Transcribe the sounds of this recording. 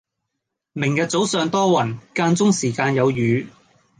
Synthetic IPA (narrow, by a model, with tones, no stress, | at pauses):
mɪ˨˩ŋkaː˧t͡so˨˥wsœː˨˧ŋt̪ɔː˥wɐ˨˩nkaː˧nt͡sʊ˥ŋsiː˨˩kaː˧njɐ˨˧wjyː˨˧